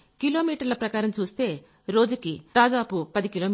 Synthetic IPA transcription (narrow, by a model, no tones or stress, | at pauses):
kilo̞ːmiːʈɐɾlɐpɾɐkaːɾɐmt͡ʃuːst̪e̞ː | ɾo̞ːd͡ʒukit̪aːd̪aːpupɐd̪ikiloː